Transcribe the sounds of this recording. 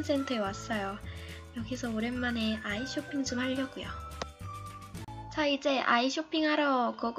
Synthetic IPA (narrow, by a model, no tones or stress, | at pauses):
ns͈e̞ntʰɯewas͈ʌjojʌɡisʰʌoɾe̞nmane̞aiɕʰopʰiŋd͡ʑomhaʎːʌɡujo̰ | t͡ɕaid͡ʑe̞ʔa̰iɕʰopʰiŋɦaɾʌkʌɡ